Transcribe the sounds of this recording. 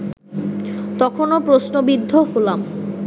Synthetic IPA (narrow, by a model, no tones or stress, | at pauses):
t̪ɔkʰonopɾosnobid̪ʱːoholam